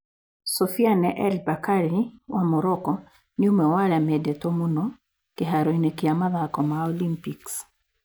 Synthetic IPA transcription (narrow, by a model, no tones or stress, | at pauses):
sɔfianɛʔɛlbakaɾiwamɔɾɔkɔ | nɪomɛwaɾamɛdɛtomunɔ | keɦaɾoinekiamaðakɔmaolimpiks